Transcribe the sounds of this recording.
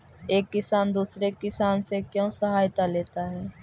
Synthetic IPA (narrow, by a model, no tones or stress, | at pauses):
eːkːɪsaːnd̪uːsɾekɪsaːnsekjõːsɐɦaːjt̪aleːt̪aɦɛː